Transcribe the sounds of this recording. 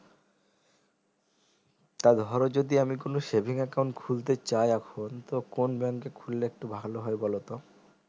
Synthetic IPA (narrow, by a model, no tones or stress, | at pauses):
t̪ad̪ʱɔɾod͡ʑod̪iamikonoʃebʱiŋakawɳʈkʰult̪et͡ɕajɛkʰont̪okonbɛŋkekʰulːeek̚ʈubʱaloɦɔebɔlot̪o